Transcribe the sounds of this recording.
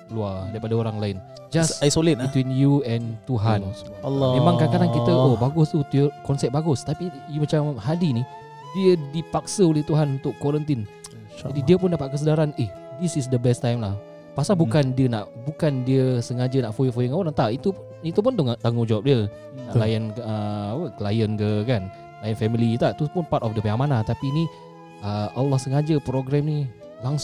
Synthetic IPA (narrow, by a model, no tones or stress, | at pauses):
əluadaɾipadaoɾaŋlaɪn | d͡ʒasajsolit̪̚bit̪winjuɛnt̪uɦan | lmẽmãŋkakadankit̪əobaɡʊst̪ut̪ukɔnsɛp̚baɡʊst̪apijumat͡ʃamhadini | diədipak̚səolɛht̪uɦanunt̪ʊkwɔɾənt̪in | adidiəp̬ʊndapat̪̚kəs̬ədaɾaneh | disis̬dəbɛst̪ajmlah | pasalbukandiəna̰ʔbukandiəsəŋad͡ʒənaʔfojəfojəŋawanant̪aʔit̪u | it̪up̬ʊnt̪uŋt̪aŋud͡ʒawap̚dil | nalajənəwəkəlajənkəkan | lajənfɛmilit̪aʔt̪upʊnpat̪ɔfdəpeamanat̪apini | əʔəlːɔhsəŋad͡ʒəpɾoɡɾɛmni | laŋs